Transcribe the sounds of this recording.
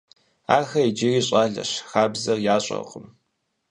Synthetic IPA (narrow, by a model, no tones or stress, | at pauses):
aːxɐid͡ʒɪriːɕʼaːɮɐ̰ɕxaːbzɐrjaːɕʼɐ̰qʼəm